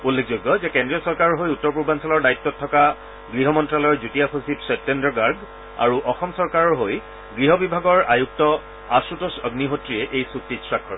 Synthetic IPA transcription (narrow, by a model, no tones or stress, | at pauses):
ulːekʰzoɡːɔzɛkɛndɹiɔsɔɹkaɹɔɹɦojutːɔɹpuɹbansɔlɔɹdaitːɔtʰːɔka | ɡɹiɦɔmɔntɹalɔɹzutijapʰosipsɛp̚tɛndɔɡaɹɡ | a̰ɹuʔɔxɔmsɔɹkaɹɔɹɦoj | ɡɹiɦɔbibʱaɡɔɹajuk̚tɔ | asutɔsɔɡniɦotɹiɛʔejsuk̚titsɹakʰːɔ̰ɹ